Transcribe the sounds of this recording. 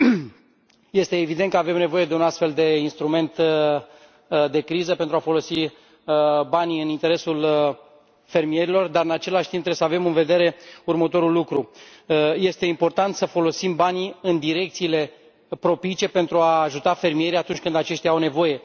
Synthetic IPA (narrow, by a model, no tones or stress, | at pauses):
je̞st̪e̞ːvid̪ent̪kəave̞mne̞vo̞je̞d̪e̞unast̪fe̞ld̪e̞inst̪ɾume̞nt̪ | d̪e̞kɾizəpe̞nt̪ɾuafo̞lo̞si | baniɨnint̪e̞ɾe̞sul | fe̞rmije̞ɾilo̞rd̪aɾɨnat͡ʃe̞laʃt̪impt̪ɾeesave̞mɨnve̞d̪e̞ɾe̞urmət̪o̞ɾulːukɾu | je̞st̪e̞impo̞rt̪ant̪səfo̞lo̞simbaniɨnd̪iɾe̞k̚t̪siːle̞ | pɾo̞pit͡ʃe̞pe̞nt̪ɾuaːʒut̪afe̞rmije̞ɾijat̪unt͡ʃʲkɨnd̪at͡ʃe̞ʃt̪jaawne̞vo̞je̞